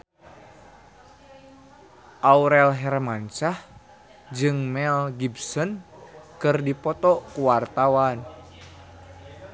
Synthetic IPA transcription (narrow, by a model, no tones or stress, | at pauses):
ʔauɾɛlɦɛɾmaɲt͡ʃah | d͡ʒɨŋmɛlɡibsɔnkɨrdipɔt̪ɔkuwart̪awan